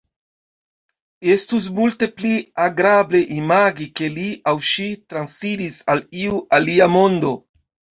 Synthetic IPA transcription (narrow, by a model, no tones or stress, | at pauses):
e̞stus̬multe̞pliaɡɾable̞ʔimaɡike̞liawʃitɾansidisaliuʔaliamo̞ndo̞